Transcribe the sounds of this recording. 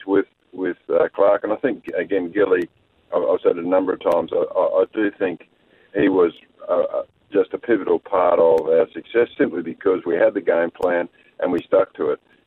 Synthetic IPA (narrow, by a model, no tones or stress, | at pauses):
wɪð̥ | wɪð̥ʌkʰl̥ɑɹkɨ̃naɪθɪ̃ŋk̚ɨɡɛ̃nɡɪlˠi | aa̰ɪ̥sɛɾɨnʌ̃mbə˞ʌv̥tʰãɪ̃mzaɪʔaɪʔaɪdɨθɪ̃ŋk | hiwʌz | d͡ʒʌstəpʰɪvɨɾl̩ˠpʰɑɹɾʌvaə˞sɨksɛsɪ̃mplibɨkʰʌzwiɨd̪̚ðɨɡẽɪ̃mpʰl̥æ̃n | ʔɨ̰̃nwistʌk̚tʰɨɪt̚